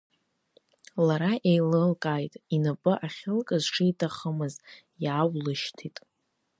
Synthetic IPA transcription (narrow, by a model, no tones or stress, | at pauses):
laɾaʔejlɨlkʼajtʼinapʼɨʔaχʲɪlkʼɨzʈ͡ʂʰɨitʰaχəmɨz | jaaːwlɨʃtʰitʼ